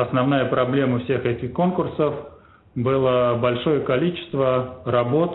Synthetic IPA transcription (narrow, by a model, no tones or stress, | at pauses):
ɐsnɐvnajəpɾɐblʲe̞məfsʲe̞xɛtʲɪxko̞nkʊrsəf | bɨlˠəbɐlʲʂo̞jəkɐlʲit͡ɕɪ̥st̪vərɐbo̞t̪